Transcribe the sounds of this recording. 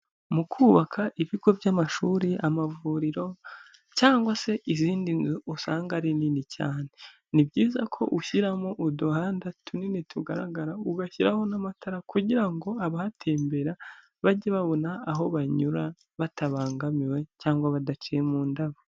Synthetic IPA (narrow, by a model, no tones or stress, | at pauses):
mukʰuːβakʰaʔiβiɡo̞vjamaʃuːɾiʔamavuɾiɾo̞ | caːŋɡwase̞ʔiziːndinzuusaːŋɡaɾininica̰ːne | nibɟiːzakʰo̞̰ʔuçiɾamoʔuduhaːndatʰuninitʰuɡaɾa̰ɡaɾauɡaçiɾaho̞namatʰaɾakuɟiɾaŋɡo̞aβahatʰe̞ːmbe̞ɾa | βaɟeβaβo̞naːɦo̞βaɲuɾa | βatʰaβaːŋɡamiwe̞caːŋɡwaβadat͡ʃijemuːndaβo